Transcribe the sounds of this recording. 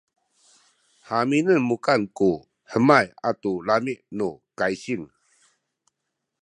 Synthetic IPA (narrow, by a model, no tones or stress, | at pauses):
haminənmukanku | həmajatulamiʔnukajɕiŋ